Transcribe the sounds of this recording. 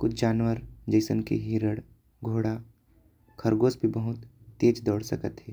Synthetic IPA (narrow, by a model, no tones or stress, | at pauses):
kʊt͡ʃʰd͡ʒaːnʋəɾd͡ʒəɪsənkḛɦiːɾəɽ | ɡʱoːɽa | kʰəɾɡoːsbʱibəɦʊt̪ːeːd͡ʒd̪ɔːɽsəkət̪ɦɛː